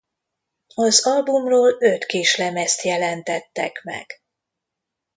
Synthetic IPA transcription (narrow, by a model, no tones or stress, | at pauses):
ɒzɒlbumroːløt̪keːʃlɛmɛst̪jɛlɛnt̪ɛt̪ːɛ̰kmɛ̰ɡ̥